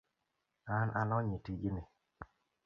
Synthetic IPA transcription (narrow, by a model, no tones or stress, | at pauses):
anʔanɔɲitiɡini